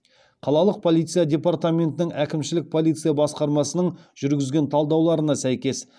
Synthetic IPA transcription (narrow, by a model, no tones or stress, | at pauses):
qʰɑlˠɑlˠəq̚pʰo̞lˠijt̪sɨjad̪ʲe̞part̪amʲe̞nt̪ɪnɪŋækʲɪmʃɪlɪk̚pʰo̞lˠijt̪sɨjabɑsqɑɾmɑsənəɴʒ̥ʏɾɡʲɪzɡʲe̞nt̪ʰɑlˠd̪ɑwlˠɑɾənɑsæjkʲe̞s